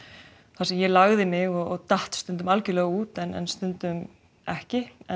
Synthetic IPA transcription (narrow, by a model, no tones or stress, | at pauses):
θasɛmjɛlaɣðɪmɪɣɔɣɔɣt̪aht̪st̪ʏnt̪̬ʏmalcʏlɛːɣuːt̪ɛnɛ̰nst̪ʏnt̪ʏm | ɛhcɪɛ